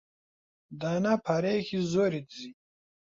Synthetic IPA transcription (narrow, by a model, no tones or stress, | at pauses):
d̪aːnapʰɐɾexizoːɾit̪zi